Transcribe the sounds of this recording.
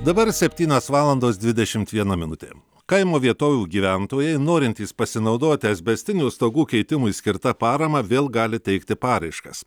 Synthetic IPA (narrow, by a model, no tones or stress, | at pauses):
d̪ɐbɐɾsʲɛpʲt̪ʲiːnʲoːsʋɑːlˠɐnd̪oːsd̪ʲʋʲɪd̪ʲɛʃʲɪmt̪ʋʲiɛnɐmʲɪnʊt̪ʲḛː | kɐɪmoːʋʲiɛt̪oːʋʲuːɡʲiːʋʲænt̪oːjɛɪnoːɾʲɪnʲt̪ʲiːspɐsʲɪnɐʊd̪oːt̪ʲɪɐzʲbʲɛsʲt̪ʲɪnʲuːst̪oːɡuːkʲɛɪt̪ʲɪmʊɪsʲkʲɪɾt̪ɐpɑːɾɐmɐʋʲeːlˠɡɑːlʲɪt̪ʲɛɪkt̪ʲɪpɑːɾɐɪʃkɐs